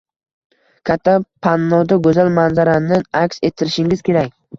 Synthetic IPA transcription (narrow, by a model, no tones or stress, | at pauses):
kʲʰat̪ʰːapʰanːɒd̪aɡɵzalmanzaɾanɪakʲse̞t̪ʰːɪɾɪʃɪŋʲɪz̥kʲʰe̞ɾakʲ